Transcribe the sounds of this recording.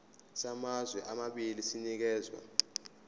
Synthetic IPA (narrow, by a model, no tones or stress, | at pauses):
samazwɛʔamaɓilisinik̬ɛːzwa̰